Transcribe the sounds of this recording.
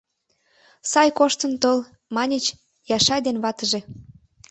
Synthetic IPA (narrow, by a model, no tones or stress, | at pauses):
sɑjkoʃt̪ənt̪ol | mɑnʲət͡ɕ | jɑʃɑjd̪enβɑt̪əʒe